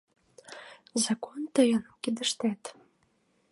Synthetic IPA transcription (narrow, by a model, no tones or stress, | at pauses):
zɑkont̪əjə̆nkid̪əʃt̪æt̪